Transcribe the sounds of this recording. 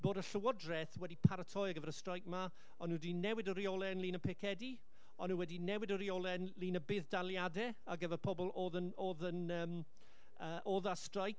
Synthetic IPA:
b̥oːdəɬəwɔdrɛθwɛdipʰaɾətʰɔjaɡəvɛɾəstrajk̚ma | ɔnudinɛwɪdəɾiolˠɛnlˠiːnəpʰɪkʰɛdi | ɔnuwɛdinɛwɪdɔɾiolˠɛnlˠiːnəbɪːðdalˠjadɛ | aɡəvɛrpʰɔbɔlˠoːðənoːðənəːm | əːʔoðastrajk̚

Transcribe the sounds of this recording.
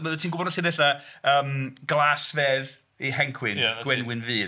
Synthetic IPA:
məðtʰiːnɡʊbɔdnɔɬiːdɛɬaəːmɡ̥lˠasvɛːð | ihɛŋkʰwɪnɡ̥wɛnwɪnviː

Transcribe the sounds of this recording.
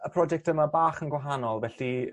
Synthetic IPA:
əpʰrɔd͡ʒɛk̚təmabaːχənɡwaɦanɔlˠvɛɬi

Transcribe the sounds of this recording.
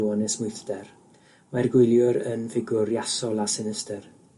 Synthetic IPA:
wɔnɛsmʊjθd̥ɛr | marɡwʊlˠjʊɾənvɪɡʊɾjasɔlˠasɪnɪstər

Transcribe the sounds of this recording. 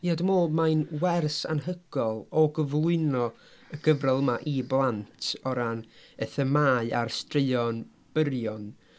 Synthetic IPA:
jadəmoːlˠmajnwɛrsa̰nɦəɡ̥ɔlˠɔɡəvlˠʊɨnɔ | əɡəvrɛlˠəmaʔiblˠantʰɔɾanəθəmaːɨʔa̰rstrɪɨɔn | b̥əɾjɔn

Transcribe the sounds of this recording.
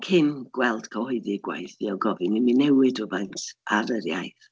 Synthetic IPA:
kʰɪnɡ̥wɛlˠd̥kʰɔhɔɨðɨɡwa̰jθiɔwɡɔvɨniminɛwɨdʊbantʰʔaɾəɾjajð

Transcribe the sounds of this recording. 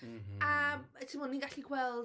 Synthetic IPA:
atʰimɔninɡaɬikʰwɛlˠ

